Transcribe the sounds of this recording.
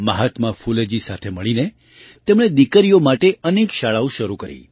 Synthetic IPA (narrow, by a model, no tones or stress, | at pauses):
məɦat̪mãfuled͡ʒisat̪ʰeməɭine | t̪emɽ̃ed̪ikəɾijomaʈeənekʃaɭaũʃəɾukəɾḭ